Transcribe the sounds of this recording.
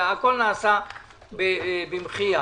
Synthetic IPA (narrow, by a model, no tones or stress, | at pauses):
akolnaːsa | bebimχia